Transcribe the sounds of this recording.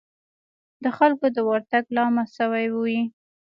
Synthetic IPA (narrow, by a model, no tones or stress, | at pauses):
d̪əxalkod̪əwaɾt̪aɡlɑmasəwajwuwi